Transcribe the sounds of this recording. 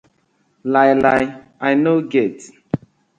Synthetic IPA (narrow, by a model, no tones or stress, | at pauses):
lajlaj | ajnoɡet